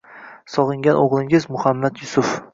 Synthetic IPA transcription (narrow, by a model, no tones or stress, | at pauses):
sɒʁɨŋɡʲanʔoʁlˠɪŋɪzmʊhamːat̪jʊsʊf